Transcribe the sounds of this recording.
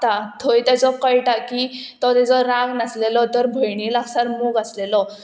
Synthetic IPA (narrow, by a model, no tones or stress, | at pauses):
t̪at̪ʰojt̪jat͡sɔkəjʈakit̪ɔt̪ɛt͡sɔɾãɡnəslelɔt̪əɾbʱəjɳilaɡsaɾmuɡəslelɔ